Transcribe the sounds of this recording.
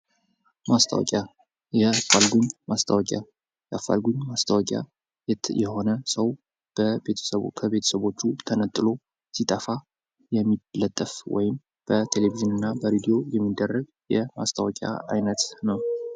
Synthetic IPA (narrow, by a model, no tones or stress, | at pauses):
mast̪ʰa̰wɔ̰kʼja | jɛafalɡuɲmast̪ʰawɔkʼa̰ | jɛafa̰lɡuɲmast̪ʰawɔkʼja̰ | jɛjɛho̞nəsəw | b̥əbe̞t̪ʰə̥səβkʰəβe̞t̪ʰə̥səβo̞t͡ʃːut̪ʰənət̪ʼːɨlo̞ | sit̪ʼəfa | jɛmːilət̪ʼːəfwɔ̰jɪm | b̥ət̪ʰe̞leviʒɪnɨnːabəɾid̪ijo̞jɛmːid̪ːərːəɡ̚ | jɛma̰st̪ʰawɔkʼja̰a̰jnət̪nəw